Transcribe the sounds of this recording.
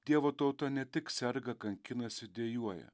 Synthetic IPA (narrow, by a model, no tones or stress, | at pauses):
d̪ʲiɛʋoːt̪ɐʊt̪ɐnʲɛt̪ʲɪksʲɛɾɡɐkɐŋʲkʲɪnɐsʲɪd̪ʲeːjuɔjɛ̰